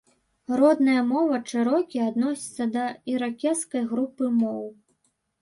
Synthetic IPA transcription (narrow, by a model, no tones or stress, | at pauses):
rɔd̪nɐjɐmɔvɐʂɨɾɔkʲiad̪nɔsʲi̥t̪sːɐd̪ɐiɾakʲɛt̪skɐjɣɾupɨmɔw